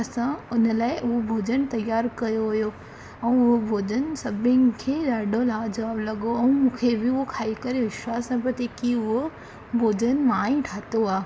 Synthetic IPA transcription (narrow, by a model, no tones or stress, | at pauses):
ɐsãʊnəlaːɪʔʊɦobʱoːd͡ʑənt̪ɐjaːɾkɐjoɦʊjo | ɛ̃ːʊɦobʱoːd͡ʑənɪsɐbɪnkʰeːdaːɖʱõlaːd͡ʑɐʋaːblɐɠoɛ̃ːmũːkʰebɪʊɦokʰaːikɐɾeʋɪʃwaːsnɐpɐt̪ekiʊɦo | bʱoːd͡ʑənmaːĩʈʰaːt̪oaː